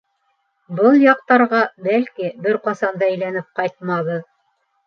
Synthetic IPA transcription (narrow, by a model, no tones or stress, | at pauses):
bɤlˠjɑq̚t̪ɑɾʁɑbælkibɘɾqɑsɑnd̪ɑɘjlænɘp̚qɑjt̪̚mɑðɤð